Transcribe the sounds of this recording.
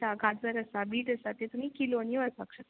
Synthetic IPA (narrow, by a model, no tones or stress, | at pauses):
aɡʱat̪ʋəɾəsabiːʈəsat̪et̪umiːkilonijʋəsa̰kʂə